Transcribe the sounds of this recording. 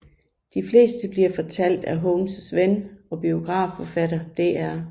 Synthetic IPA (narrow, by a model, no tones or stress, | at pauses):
d̥ifle̝̰ːsd̥əb̥liɐfɒ̽t͡sʰæl̰d̥æɦɔʊmssʋenɒ̽b̥io̝ɡ̥ʁɑ̰̈ːfɒ̽fæɾɐd̥e̝ʔæɐ